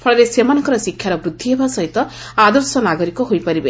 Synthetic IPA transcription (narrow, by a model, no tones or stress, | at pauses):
pʰɔɭɔɾesemanɔŋkɔɾɔsikʰjaɾɔbɾud̪ʱːiebasʌɦit̪ɔ | ad̪ɔɾsɔnaɡɔɾikɔɦojpʌɾibe